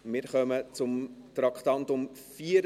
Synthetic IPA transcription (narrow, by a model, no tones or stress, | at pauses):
mɪːɾχœmət͡sʊmt̪ɾɑkχt̪ɑnt̪ʊmfiːəɾ